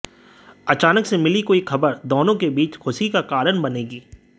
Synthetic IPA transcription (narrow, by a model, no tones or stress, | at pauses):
ɐt͡ʃaːnəksemɪlikoːixʰɐbəɾd̪oːnõkebiːt͡ʃxʊʃikakaːɾəɳbɐneːɡiː